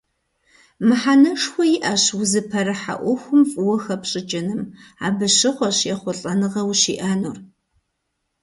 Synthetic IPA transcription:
mɨħanɐʂxʷɔjɪʔɐɕwʊzɨpʰɐɾɨħa̰ʔʷɔxʷʊmfʼwɐxɐpɕʼɪt͡ʃʼɪnɨma̰ːbɨʃɪχʷɔɕjɛχʷʊɬʼɐnɨʁɐwʃiʔɐnuːr

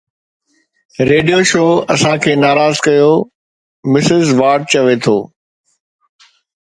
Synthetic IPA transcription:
ɾeːɖijoʃoːɐsãkʰeːnaːɾaːzkɐjoː | mɪsɪzʋaːɾɖ̚t͡ɕɐʋet̪ʰo̰ː

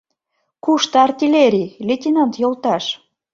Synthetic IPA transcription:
kuʃt̪ɤ̆ɑrt̪ʲilʲeɾʲilʲetʲinɑnt̪jolt̪ɑʃ

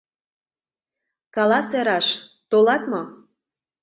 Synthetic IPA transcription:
kɑlɑseɾɑʃt̪olɑt̪mo

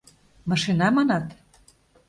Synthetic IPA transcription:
mɑʃenɑmɑnɑt̪

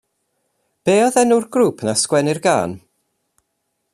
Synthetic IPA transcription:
b̥eːɔðɛnʊrɡrupʰnaskwɛnɪrɡa̰ːn

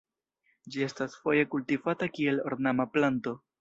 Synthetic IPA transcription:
d͡ʒie̞stasfo̞je̞kultivatakie̞lo̞̰ɾnamaplanto̞

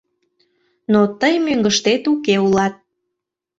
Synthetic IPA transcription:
not̪əjmøŋɡəʃt̪et̪ukeulɑt̪̚

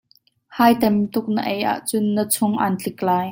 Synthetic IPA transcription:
haːjt̪ɛmt̪ʊk̚nəʔɛjʔa̰ʔt͡sʊnːət͡sʰʊŋʔa̰nt͡ɬɪklaːj

